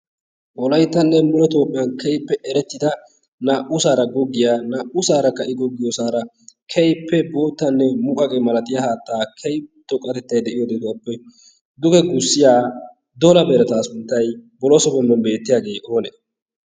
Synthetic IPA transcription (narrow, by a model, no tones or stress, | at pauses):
ʔɔlɐjt̪ːɐnːɛmʊlɔt̪o̞ːpʼːɪjɐnkɛjpːɛʔɛɾɛt̪ːɪd̪ɐ | naʔʊsaːɾɐɡɔɡːɪjaːnaːʔʊsaːɾɐkɐʔɪɡɔɡːɪjɔsaːɾɐ | kʰɛjpːɛbo̞ːt̪ːɐnːɛmʊkʼɐkʼɛmɐlɐt̪ɪjɐhaːt̪ːaːkʰɛjt̪ɔkʼːɐt̪ɛt̪ːɐjd̪ɛʔɪjɔd̪ɛd̪ʊwɐpːɛ | d̪ʊɡɛɡʊsːɪjaː | d̪ɔlɐbɛɾɛt̪aːsʊnt̪ːɐjbɔlɔsɔbɔmːɔnbe̞ːt̪ːɪjaːɡe̞ːʔo̞ːnɛ